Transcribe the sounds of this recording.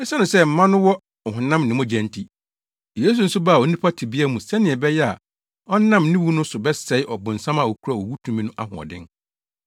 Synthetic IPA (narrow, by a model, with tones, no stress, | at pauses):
ɛ˦sɛ˦nʊ̃˨sɛ˦m̩˨˦mã˦nʊ̃˦wɔ˦ | ɔ˨ɦʊ̃˨nã˦mnɪ̃˨mɔ̃˦d͡ʑɛ̃˨ntʰi˦ | je˦s̬u˨n̩˦sʊ˦ba˦˨ɔ˨nĩ˦pʰa˦tʰi˨bi˦a˦mũ˨sɛ˦nɪ̃˨ɛ˨bɛ˦jɛ˦a̰˨ | ɔ˦nã˦˨mnĩ˦wu˦nʊ̃˦sʊ˨bɛ˦sɛ˨ɪ˦ʔɔ˨bʊ̃˨n̩˨sã˦ma˨wo˨kʰu˦ɾa˨wo˨wu˦tʰũ˨mĩ˦nʊ̃˦ʔa̰˦ɦʊ̰̃˨ɔ̰˨dɪ̰̃˦n